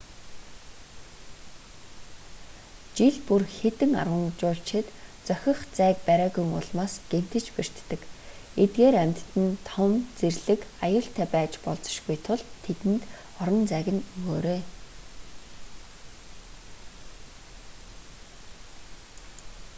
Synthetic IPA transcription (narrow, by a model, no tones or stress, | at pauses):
t͡ɕiɮpurxet̪ɘ̆ŋa̰rʁə̆ŋt͡ɕʊːɬt͡ɕʰɪ̆t̪t͡sœxʲɪ̆χt͡sæːk̚pæɾaːɣujŋʊ̰ɮmaːsɡ̥em̥t̪ɘ̆t͡ɕper̥t̪ːɘ̆ket̪̚ɡeːɾæmʲt̪ːɘ̆nt̪ʰɔmt͡serɮɘ̆kajʊːɬt̪ʰæːpæːt͡ɕpɔɮt͡sɞ̥̆ʃɡujt̪ʰʊɮʰːet̪ɘ̆nt̪ | ɔɾɞ̆nt͡sæːɣɘ̆nɵɣoːɾeː